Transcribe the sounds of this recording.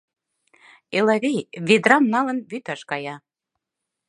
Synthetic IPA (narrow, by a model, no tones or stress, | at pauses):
elɑβejβed̪rɑmnɑlə̆nβyt̪ɑʃkɑjɑ